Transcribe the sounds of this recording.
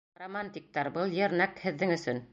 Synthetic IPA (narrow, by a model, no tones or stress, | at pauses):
romanʲt̪ʲik̚t̪ɑɾbɤlˠjɘ̆ɾnækhɘ̆ðːɘŋɵ̆sɵn